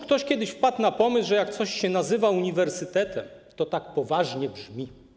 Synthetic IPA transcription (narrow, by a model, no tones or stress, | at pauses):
kt̪ɔɕkʲjɛd̪ɘɕfpat̪napɔmɘsʐɛjakt̪sɔɕɕɛnazɘvauɲivɛɾsɘt̪ɛt̪ɛmt̪ɔt̪ak̚pɔvaʐɲɛbʐmʲi